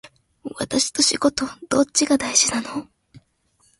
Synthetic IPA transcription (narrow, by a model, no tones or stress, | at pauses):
βa̰t̪aɕi̥t̪o̞ɕiɡo̞t̪o̞d̪̥o̞t͡ɕt͡ɕːiɡad̪aiʑ̥inano